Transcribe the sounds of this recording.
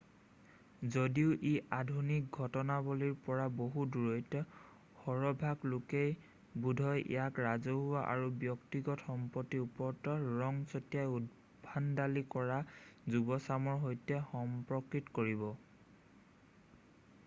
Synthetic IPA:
zodiʊʔiʔadʱunik̚ɡʱɔtɔnaboliɹpɔɹaboɦuduɹɔjtɔ | xɔɹɔbʱaɡlokej | budʱɔjʔḭjakɹazoɦuaʔa̰ɹubjɔktiɡɔtxɔmpɔtːiupɔɹtɔɹɔŋsɔtijajud | bʱandalikɔɹazubɔsamɔɹɦojtɛxɔmpɹɔkɹitkoɹibɔ

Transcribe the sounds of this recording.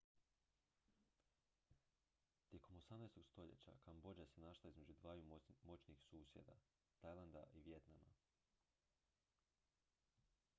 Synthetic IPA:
t̪je̞kʰo̞mosamnajst̪o̞ɡst̪o̞ʎḛt͡ɕa̰kambo̞d͡ʑasenaʃlˠaizme̞d͡ʑud̪ʋaːjumo̞t͡ɕnixsuːsje̞̰d̪a̰ | t̪ajlˠand̪aʔiʋje̞t̪nama̰

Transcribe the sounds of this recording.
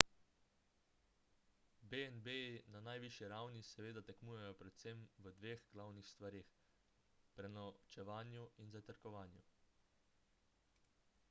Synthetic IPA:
beɛnbejinanajʋiʃjiɾawnisɛʋeːd̪at̪ɛknuːjɛjɔpɾɛt̪sɛmʋəd̪ʋeːɣɡlawnixst̪ʋaɾeːx | pɾɛnɔt͡ʃɛʋaːnjuinzat̪əɾkɔʋaːnju

